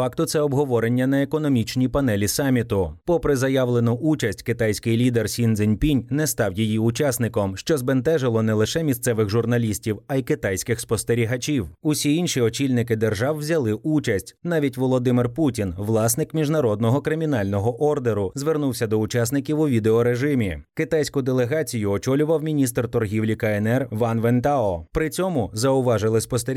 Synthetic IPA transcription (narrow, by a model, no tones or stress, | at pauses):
fɑkt̪ʊt̪sɛɔbɦɔʋɔɾenʲːɐnɐekɔnɔmʲit͡ʃnʲipɐnɛlʲisɑmʲit̪ʊpɔpɾɪzɐjaʋlˠenʊʔut͡ʃɐsʲtʲkɪt̪ajsʲkɪjlʲid̪ersʲind̪zɪnʲpʲinʲnɛst̪ɑwjijiʊt͡ʃasnɪkɔmʃt͡ʃɔzbent̪ɛʒɪlˠɔnɛlˠɪʃɛmʲist̪sɛʋɪxʒʊrnɐlʲisʲtʲiwɐjikɪt̪ɑjsʲkɪxspɔst̪eɾʲiɦɐt͡ʃʲiwʊsʲiinʃiɔt͡ʃʲilʲnɪkɪd̪erʒɑwːzʲɐlˠɪʔut͡ʃɐsʲtʲnɑʋʲitʲʋɔlˠɔd̪ɪmɪrputʲinʋlˠɑsnɪkmʲiʒnɐɾɔd̪nɔɦɔkɾɪmʲinɑlʲnɔɦɔʔɔrd̪eɾʊzʋernuwsʲɐd̪ɔʊt͡ʃɑsnɪkʲiwʊʋʲid̪eɔɾeʒɪmʲikɪt̪ajsʲkʊd̪elˠeɦɑt͡sʲijʊɔt͡ʃɔlʲʊʋɐwmʲinʲist̪rt̪ɔrɦʲiwlʲikɐɛnɛrʋɑnʋɛnt̪aɔpɾɪt͡sʲɔmʊzɐʊʋɑʒɪlˠɪspɔst̪eɾ